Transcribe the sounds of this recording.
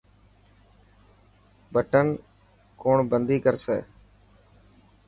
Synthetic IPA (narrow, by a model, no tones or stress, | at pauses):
bəʈən | koːɳbənd̪iːkəɾsɛ̰ː